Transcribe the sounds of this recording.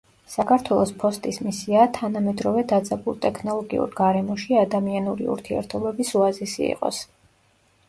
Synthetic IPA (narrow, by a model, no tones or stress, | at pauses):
sakʰaɾt̪ʰwɛlˠɔspʰɔst̪ʼismisiat̪ʰanamɛd̪ɾɔvɛd̪ad̪zʼɛbulˠt̪ʼɛkʰnɔlˠɔɡḭṵɾɡaɾɛmɔʃiad̪amianuɾḭṵɾt̪ʰiɛ̰ɾt̪ʰɔbɛbisuazisḭḭqʼɔ̰s